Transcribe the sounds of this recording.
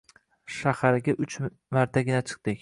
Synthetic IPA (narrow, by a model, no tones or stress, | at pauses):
ʃahaɾɪɡʲaʔʊt͡ʃ | maɾt̪ʰaɡʲɪnat͡ʃʰɨ̥q̚t̪ɪkʲ